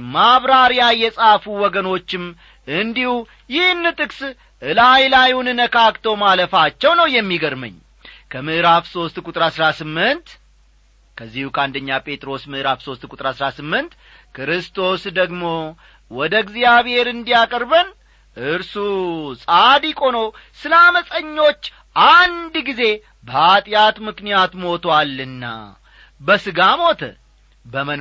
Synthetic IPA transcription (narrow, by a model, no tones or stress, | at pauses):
maβɾaɾjajɛsʼafuwɔɡəno̞t͡ʃːɪm | ʔɨnd̪ihu | jɪhnːɨt̪ʼɨkʼs | ʔɨlajlajunɨnəkʰakt̪ʰowmaləfat͡ʃːɛwnəwjɛmːiɡəɾmə̰ɲː | kʰəmɨʔɨɾafso̞st̪kʷʼut̪ʼɾasɾasɨmːɨnt̪ | kʰəzːihukʰəand̪əɲːapʼe̞t̪ʼɾo̞smɨʔɨɾafso̞st̪kʼut̪ʼɾasɾasɨmːɨnt̪ | kʰɾɨst̪ʰo̞sd̪əɡmo̞ | wɔd̪əɡzijaβhe̞ɾɨnd̪ijakʼəɾbən | ʔɨɾsusʼad̪ikʼo̞now | sɨlaməsʼəɲːo̞t͡ʃː | ʔand̪ɡize̞ | bəat̪ʼjat̪mɨknijat̪mo̞t̪ʰwalːɨnːa̰ | bəsɨɡamo̞t̪ʰə̰ | bəmə